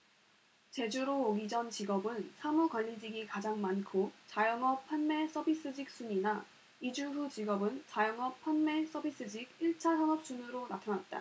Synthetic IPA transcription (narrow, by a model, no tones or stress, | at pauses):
t͡ɕe̞d͡ʑuɾoːɡid͡ʑʌnt͡ɕiɡʌbɯnsʰamukʌʎːid͡ʑiɡikad͡ʑaŋmankʰot͡ɕajʌŋʌp͈ʰːanme̞s͈ʰʌbis͈ɯd͡ʑik̚s͈uɲina | id͡ʑuɸut͡ɕiɡʌbɯnt͡ɕajʌŋʌpʰanme̞s͈ʰʌbis͈ɯd͡ʑiɡiɭt͡ɕʰasʰʌnʌp̚t͡ɕ͈unɯɾonatʰanat̚t͈a̰